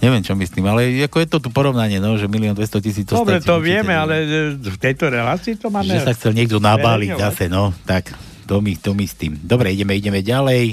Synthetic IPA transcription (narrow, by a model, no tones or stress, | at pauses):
ɲɛʋɛmt͡ʃɔmist̪iːmalɛakɔjɛt̪ɔt̪upɔɾɔʊnaɲɪɛnɔʒɛmiliɔnd̪ʋɛst̪ɔcisiːd͡zɔsɔtɾɛt̪ɔʋɪɛmɛalɛft̪ɛjt̪ɔɾɛlaːt͡siːt̪ɔmaːmʒɛɛsaxt͡sɛlɲɪɛɡ̚d̪ɔnabaːliɟzasɛnɔt̪ak | t̪ɔmit̪ɔmist̪iːmd̪ɔbɾɛiɟɛmɛiɟɛmɛɟalɛj